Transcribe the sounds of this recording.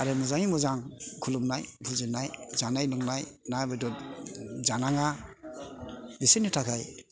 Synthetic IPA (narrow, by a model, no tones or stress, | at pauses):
aɾɯmuzaŋimuzaŋkʰulumnajbʰulzɯnajzanajlɔŋnajnajbadɔ | zanaŋa | disinitʰakʰaj